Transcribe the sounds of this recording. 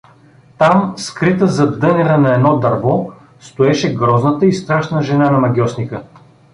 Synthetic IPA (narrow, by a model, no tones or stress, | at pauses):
t̪amskɾit̪əzɐd̪ɤnʲɛɾənɐɛd̪nɔd̪ɐɾvɔ | st̪oɛʃɛɡɾɔznət̪əist̪ɾaʃnəʒɛnanɐmɐɡʲɔsnikə